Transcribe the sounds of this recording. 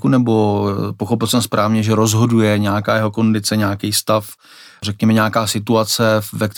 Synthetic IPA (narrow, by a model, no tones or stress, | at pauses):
kunɛbo̞poxo̞pɪlsɛmspɾʔaːvɲɛʒɛɾo̞zɦo̞dujɛɲɛakaːjɛɦo̞ko̞ndɪt͡sɛɲaːkɛjst̪af | rɛkɲɛmɛɲaːkaːsɪt̪uat͡sɛvɛkt̪